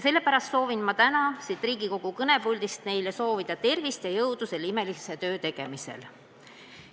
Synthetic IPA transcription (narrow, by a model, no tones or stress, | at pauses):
se̞lːe̞pæɾɑst̪so̞ːvinmɑt̪ænɑsit̪riːɡiko̞ɡ̥ukɤne̞pulʲd̪ist̪ne̞jleso̞ːvid̪̥ɑt̪e̞rvist̪jɑjɤwd̪̥use̞lime̞liset̪ø̞ːt̪e̞ɡ̥e̞misḛl